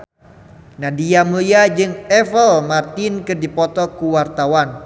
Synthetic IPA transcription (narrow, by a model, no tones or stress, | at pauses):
nadiamuliad͡ʒɨŋɛfəlmart̪ɪnkɨdipɔt̪ɔkuwart̪awan